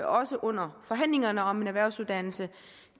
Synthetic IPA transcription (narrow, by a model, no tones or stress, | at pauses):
ʔɒ̽səʔɔ̽n̰ɐfɒ̽ɦæn̰le̝ŋɐnəɒ̽me̝næʋæɐ̰ʊsuðˠd̥æn̰l̩sə